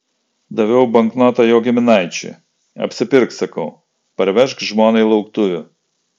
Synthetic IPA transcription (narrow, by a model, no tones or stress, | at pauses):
d̪ɐʋʲɛʊbɐŋknɔt̪ɐjoːɡʲɪmʲɪnɑɪt͡ʃʲɛ̰ | ɐ̰pʲsʲɪpʲɪɾksɐkɐʊ | pɐɾʲʋʲɛʃkʒmoːnɐɪlˠɐʊkt̪ʊʋʲʊ